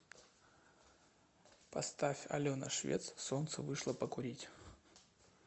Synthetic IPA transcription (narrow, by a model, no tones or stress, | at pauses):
pɐst̪afʲɐ̰lʲonɐ̰ʂvʲḛt̪ssont̪sɨ̰vɨʂlˠəpəkʊɾʲitʲ